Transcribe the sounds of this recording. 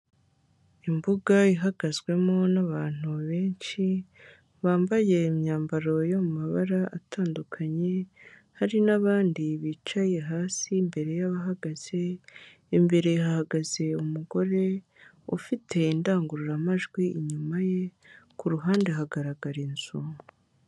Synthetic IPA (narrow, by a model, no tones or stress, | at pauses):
imbuɡaiɦaɡ̥azɡwe̞monaβaːn̥uβe̞ːɲʃi | βaːmbaje̞mɲaːmbaɾo̞jo̞mumaβa̰ɾaʔatʰaːndukʰaɲe̞ | haɾinaβaːndiβiːt͡ʃaje̞ɦaːsiːmbe̞ɾe̞jaβaɦaɡaz̥e̞ː | mbe̞ɾe̞hahaɡaze̞umuɡo̞ɾe̞ | ṵfitʰe̞indaːŋɡuɾuɾamaʒɡwiiɲumaje̞ | kuɾuɦaːndeɦaɡaɾaɡaɾinzumu